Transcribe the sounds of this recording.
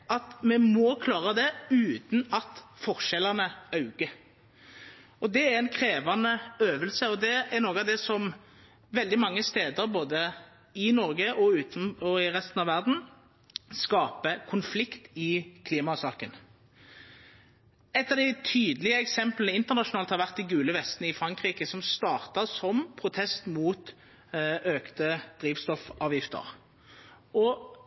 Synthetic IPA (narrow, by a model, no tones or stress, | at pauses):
ʔɑt̪mɛmɔkʰlɑːʁəd̪ɛʉːt̪n̩ɑt̪fɔʁʃɛlːəʁnəɑʉɡ̥ə | ɔd̪ɛæɛnkʰʁeːʋɑnəøːʋəlsəɔd̪ɛæʁnoːɡəɑd̪ɛsɔm | ʋɛld̪ɪmɑŋːəst̪eːd̪əɾboːd̪ə | ɪnɔɾɡəʔɔʉːt̪nɔɪʁɛst̪n̩ɑʋæʁd̪n̩ | skɑːpəkʰʊnflɪkt̪ɪkʰliːmɑʉsɑːkən | ɛt̪ːɑʁd̪æɪt̪ʰyːd̪lɪəɛksɛmplənəɪnt̪əʁnɑʃʊnɑːlhɑɾʋæʁt̪ɪɡʉːləʋɛst̪nəɪfɾɑŋkʁiːkəsɔmst̪ɑːʁt̪əsɔmpʰɾʊt̪ʰɛst̪muːt̪ | ʔøːkt̪əd̪̥ɾiːʋst̪ɔfɑːʋjɪft̪ə̰ʁ | ɔ